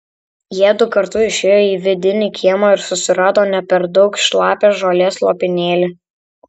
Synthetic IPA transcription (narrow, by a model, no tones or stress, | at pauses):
jiɛd̪ʊkɐɾt̪ʊɪʃʲeːjoːiːʋʲɪd̪ʲɪnʲikʲʰiɛmoɪɾsʊsʲɪɾɑːd̪oːnʲɛpʲɛɾd̪ɒʊkʃlˠɑːpʲeːsʒoːlʲeːslˠoːpʲɪnʲeːlʲɪ